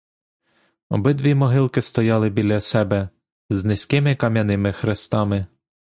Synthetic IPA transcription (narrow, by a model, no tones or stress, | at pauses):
ɔ̰bɪd̪ʋʲimɔɦɪlˠkɪst̪ɔjɑlˠɪbʲilʲɐsɛbɛ | znɪsʲkɪmɪkɐmʲjɐnɪmɪxɾɪst̪ɑmɪ